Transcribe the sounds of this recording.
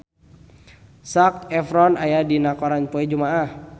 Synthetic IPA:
sak̚ɛfɾɔnajadinakɔɾanpuɛd͡ʒumaah

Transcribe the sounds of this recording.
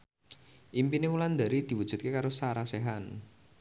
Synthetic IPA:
ʔimpinewuland̪a̤ɾid̪̥i̤wud̥ʒ̥ṳt̪̚kekaɾosaɾaseɦan

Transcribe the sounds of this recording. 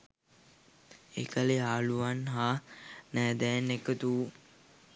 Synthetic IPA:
ḛkaleaːluʋanɦaːnæːd̪ɛːnekət̪uː

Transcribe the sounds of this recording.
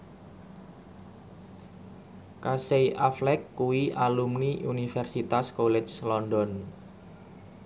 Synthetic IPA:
kaseiʔaflɛkːuwiʔalumniʔunifɛrsit̪askolɛt͡ʃlɔndɔn

